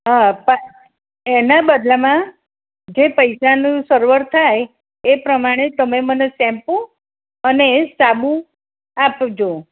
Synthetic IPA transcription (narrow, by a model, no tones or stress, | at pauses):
ɦapa | enabəd̪lamã | d͡ʒepəjsanũsəɾʋəɾt̪ʰaj | epɾəmaɽ̃et̪əmemənesɛ̃mpõ | ənesabũ | apd͡ʒo